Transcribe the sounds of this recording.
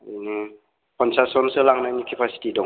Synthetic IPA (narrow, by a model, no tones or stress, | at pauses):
kɔnsasɔnsəlaŋnaɲikʰepʰasi̥t̪idɔ